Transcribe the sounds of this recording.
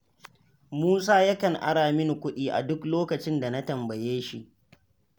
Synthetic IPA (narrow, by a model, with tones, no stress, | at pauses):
muː˦saː˦ja˦kɐ˨ŋʔa̰˦ɽaː˨mɪ˦ŋ˨kʷʊ˦ɗiː˦ʔa̰˨dʊ˦kloː˦kɐ˨t͡ʃɪ˦nda˨na˦tɐ˨mbɐ˨jeː˦ʃi˦ʔ